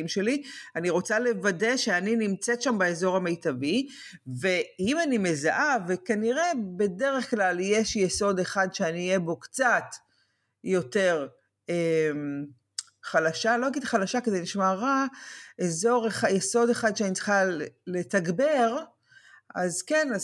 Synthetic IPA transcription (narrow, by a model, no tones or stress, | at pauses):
imʃe̞lianiʁo̞t͡sale̞vade̞ʃeaninimt͡setʃambeezo̞ʁame̞jtavi | ve̞imanime̞zaʔave̞kaniʁe̞be̞de̞ʁeχklaljeʃjeso̞deχadʃeaniːjebo̞kt͡sat | jo̞te̞ʁ | em | χalaʃaloaɡidt̪χalaʃakedeniʃmaʁaezo̞ʁeajeso̞deχad̪ʃeanit͡sχalːe̞taɡbeʁ | azkena